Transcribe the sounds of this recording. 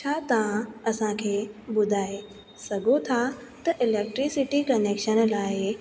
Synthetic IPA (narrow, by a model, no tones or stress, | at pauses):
t͡ɕʰaːt̪ɐʋ̤ãɐsãkʰeːbʊd̪ʱaːe | sɐɡʱot̪ʰa | t̪ɐʔɪleːk̚ʈɾisɪʈikɐneːkʃənlaːɪ